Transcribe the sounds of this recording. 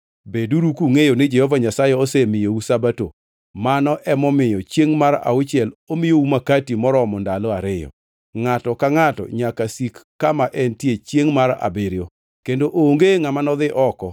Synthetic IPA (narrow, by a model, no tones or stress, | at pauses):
beduɾukuŋejonɪd͡ʒɛhɔvaɲasajeosemɪjousabato | manɔʔɛmɔmɪjɔt͡ʃjeŋmaɾa̰ʊt͡ʃɪɛlomɪjoumakatimɔɾɔmɔndalɔaɾɪjɔ̰ | ŋatɔkaŋatɔ̰ɲakasikːamaʔɛntjet͡ʃjeŋmaɾa̰beɾjo | kendoʔoŋɡeŋamanɔðɪʔɔkɔ